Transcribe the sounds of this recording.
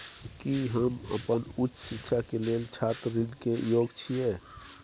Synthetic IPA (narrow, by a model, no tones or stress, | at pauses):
kiɦəmə̰pənut͡ʃːsikːʃʰakelelt͡ʃʰat̪ːinkejoːɡt͡ʃʰije